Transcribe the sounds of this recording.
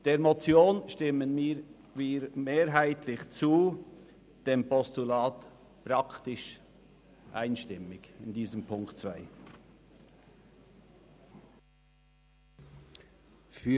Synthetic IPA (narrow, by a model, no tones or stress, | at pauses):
d̥eːmot͡sjoːnʃtɪmənmiːɾ | viːɾmeːɾɦaɪtʰlɪçt͡suː | d̥eːmpɔstulaːt | pɾɑktɪʃ | ʔa̰ɪnʃtɪmɪɡɪndiːzəmpʰʊŋktt͡sv̥aɪ | fy